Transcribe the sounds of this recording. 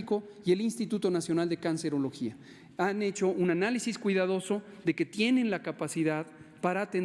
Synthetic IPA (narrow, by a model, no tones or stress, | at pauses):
iko̞ | je̞linst̪it̪ut̪o̞nasjo̞nald̪ekanse̞ɾo̞lo̞xia | ane̞t͡ʃo̞ʔunanalisiskwiðað̞o̞so̞ | ðe̞ke̞t̪je̞ne̞nlakapasiðað | paɾaːt̪en